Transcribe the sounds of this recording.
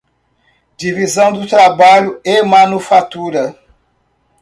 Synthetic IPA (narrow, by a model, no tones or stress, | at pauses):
d͡ʒivizɐ̃w̃d̪ʊt̪ɾabaʎʊemɐ̃nufat̪uɾɐ